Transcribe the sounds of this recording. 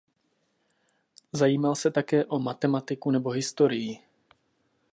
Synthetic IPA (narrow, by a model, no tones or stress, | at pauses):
zajiːmalsɛt̪akɛːʔo̞mat̪ɛmat̪ɪkunɛbo̞ɦɪst̪o̞ɾɪjɪ